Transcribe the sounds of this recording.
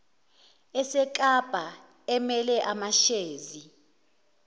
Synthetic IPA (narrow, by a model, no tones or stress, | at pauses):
ɛsɛk̬ʼab̥ʱa | ɛmɛlɛʔamaʃeːzi